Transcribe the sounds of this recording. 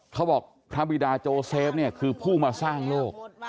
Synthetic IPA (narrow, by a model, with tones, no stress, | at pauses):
kʰa˦˥wbɔː˨˩k̚pʰɾa˦˥bi˨˩daː˧t͡ɕoː˧seː˦˥p̚ni˥˩ɐkʰɯː˧pʰuː˥˩maː˧saː˥˩ŋloː˥˩k̚